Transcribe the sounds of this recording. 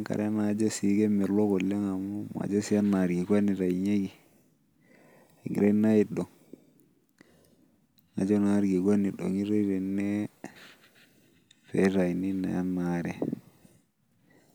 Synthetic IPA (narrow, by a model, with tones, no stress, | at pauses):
a˦ŋka̰˨ɾe˦ma˨˦d͡ʒe˦si˨˦ɡe˦me˨ɾlo˦ko˨lːe˦ŋa˨mu˦ma̰˨d͡ʒe˦si˦ja˦nma˨ɾɡi˨ɡa˦ni˨ɾa˨jɲe˦ɡi˨ | ŋi˨ɾe˦na˦ji˦do˨ŋ | ŋa̰˨d͡ʒo˦na˨a˦ɾɡi˨ɡʷa˦ni˨ɗo̰˨ŋi˦ɾe˦ɾe˨nːe˦ | fe˦ɾa˨jni˦na̰˨ja˦nːa˦ɾɛ˨